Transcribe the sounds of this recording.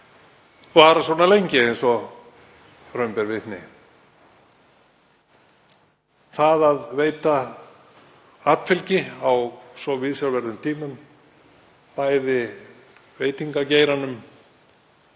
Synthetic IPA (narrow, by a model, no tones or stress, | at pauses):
vaːɾaswɔːnalejɲcɪejnsɔ | rœɥmpɛɾvɪnɪ̰ | θaðaðveːjt̪a | at̪fɪlcɪawsɔvɪðsjawlvɛɾðʏmt̪ʰiːmʏm | paːjðɪ | veːjt̪iŋkaceːjɾanʏm